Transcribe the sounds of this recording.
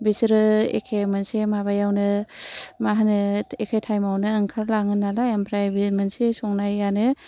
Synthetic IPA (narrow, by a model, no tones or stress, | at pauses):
bisɾɯḛkʰemansemaβajawnɯ | maɦanɯekʰajtʰajmawnɯːŋkʰaɾlaŋɯnːalaampʰɾajbimənsesɔŋnajanɯ